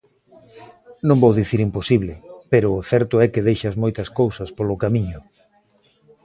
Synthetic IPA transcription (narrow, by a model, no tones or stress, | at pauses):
nõŋbowðiθiɾimposiβlɪpeɾʊːθɛɾt̪ʊɛkeð̞ejʃɐzmojt̪ɐskowsɐspolʊkamiɲʊ